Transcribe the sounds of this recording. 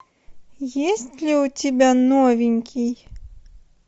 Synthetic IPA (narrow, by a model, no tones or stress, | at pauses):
jesʲtʲlʲiwtʲibʲanɔvʲinʲkʲʰij